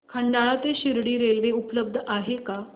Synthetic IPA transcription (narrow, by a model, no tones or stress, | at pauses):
kʰəɳɖaɭat̪eɕiɾɽiːɾelʋeupləb̚d̪ʱəʔaɦeka